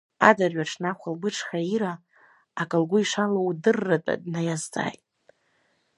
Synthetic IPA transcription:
adarɥaʈ͡ʂʰnaχʷalbɨʈ͡ʂʰχaiɾaː | kʼɨlɡʷʊiʂalowdɨrːatʼa̰dnajazt͡sʼa̰ːjtʼ

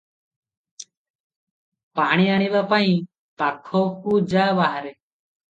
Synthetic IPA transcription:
paːɽ̃iːaɽ̃iβaːpaĩ | pakʰːoːkuːd͡ʒaːʋaɦɾe

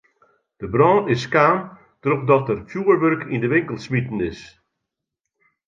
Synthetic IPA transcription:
d̥əbrɔ̃ːɪskaːn | tərɔp̚dɔtərfjuːəɹʋørkʰindəʋɪŋkəlˠsmitən̩ɪs

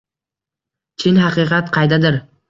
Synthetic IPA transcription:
t͡ʃʰɪnhɑqɨːqʰɑt̪qʰɑjd̪ad̪ɪɾ

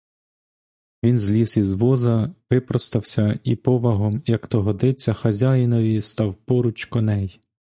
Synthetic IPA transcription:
ʋʲinzʲlʲisizʋɔzɐʋɪpɾɔst̪ɐwsʲɐipɔʋɐɦɔmjɐkt̪ɔɦɔd̪ɪt͡sʲːɐxɐzʲajɪnɔʋʲist̪ɑwpɔɾʊt͡ʃkɔnɛj

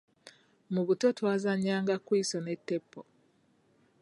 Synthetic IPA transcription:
muβutotwaːzaɲːaːŋɡakwiːsonetːepːo

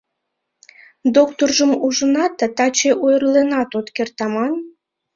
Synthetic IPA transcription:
d̪okt̪orʒəmuʒənɑt̪ɑt̪ɑt͡ɕeʔojrlenɑt̪ot̪kert̪ɑmɑn

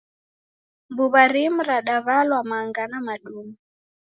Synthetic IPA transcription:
mbuβaɾim̩ɾaɗaβalwamaŋɡanamaɗumu

